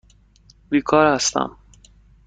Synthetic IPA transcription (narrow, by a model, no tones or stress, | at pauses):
biːkʰɒːɾhæst̪æ̰m